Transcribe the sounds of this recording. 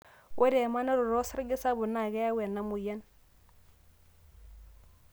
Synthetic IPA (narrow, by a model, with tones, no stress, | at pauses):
wʔe˦ɾe˨ma˦na˦ɾʊ˨ɾɔ˦sɪ˦ɾɡɪ˦sa˦bʊ˨na˨ɣɛ˦ja˦we˨na˦mu˨ja˦n